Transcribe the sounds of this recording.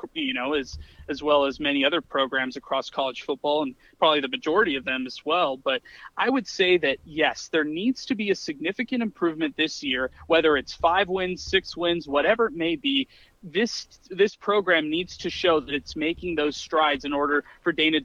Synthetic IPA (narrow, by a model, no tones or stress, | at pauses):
jɨñoʊɨz̥ɨzwɛlˠəzmɛñiʌðə˞pʰɹ̥oʊɡɹæ̃mzɨkʰɹ̥ɔskʰɑlˠəd̥ʒ̥fʊt̚b̥ɔlˠə̃npʰɹ̥ɑbəbliðɨmɨd͡ʒɔɹɨɾiʌvðɨ̃mɨzwɛlˠbʌɾʔaɪwɨd̥seɪðɨt̚jɛsðə˞nidz̥tʰɨbiɨsɨɡ̚nɪfɨkɨ̃ñɨ̃mpʰɹ̥ʉvmɨ̃nðɪsjɪɹwɛðə˞ɨtsfaɪvwɪ̃nz̥sɪkswɪ̃nzwʌɾɛvə˞ɨt̚meɪbi | ðɪs | ðɪspʰɹ̥oʊɡɹæ̃mnidz̥tʰɨʃoʊðɨɾɨtsmeɪkɪ̃ŋðoʊz̥stɹ̥aɪdzɨ̃nɔɹɾə˞fə˞dẽɪ̃ñɨd